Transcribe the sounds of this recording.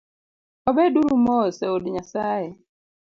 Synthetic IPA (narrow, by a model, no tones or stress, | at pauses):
ɔbɛduɾumɔsɛodɲasajɛ